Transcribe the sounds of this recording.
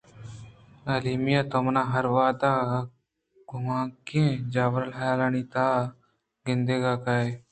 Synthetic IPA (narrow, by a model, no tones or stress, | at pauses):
ɐliːmijaːt̪omnãːɦɐɾʋaːd̪aː | ɡʊmãːkẽːd͡ʒaːʋəɾəlɦajaːlaniːt̪aː | ɡɪnd̪eːɡaːkae